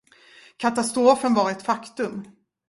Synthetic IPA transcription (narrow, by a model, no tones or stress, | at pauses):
kʰat̪ast̪ɾoːfənvɑɾɛt̪fakt̪ɵm